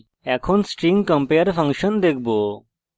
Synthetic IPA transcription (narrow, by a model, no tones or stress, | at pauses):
ɛkʰɔnsʈɾiŋkə̃mpeɾpʰɐŋkʃɔnd̪ek̚ʰbɔo